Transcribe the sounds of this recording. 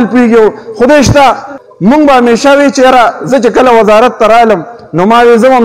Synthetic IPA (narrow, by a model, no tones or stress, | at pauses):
lpueɡjewxʊd̪eʃt̪a | muŋɡ̚bahameːʃawit͡ʃejaɾazət͡ʃekəlawɐzaːɾat̪ːaɾaːləm | noːmaːwezəmam